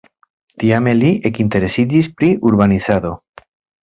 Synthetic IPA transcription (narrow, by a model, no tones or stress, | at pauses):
t̪iameliekint̪e̞ɾe̞sid͡ʒispɾiʔuɾβaniθaðo̞